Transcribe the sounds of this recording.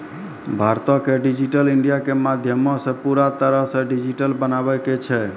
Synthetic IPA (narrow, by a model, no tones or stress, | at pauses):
bʱaɾt̪ɔkeɖid͡ʒiʈəliɳɖijakemad̪ʱjəmɔ̃sə̃puɾat̪əɾəɦsẽɖid͡ʒiʈəlbənabɛket͡ʃʰɛ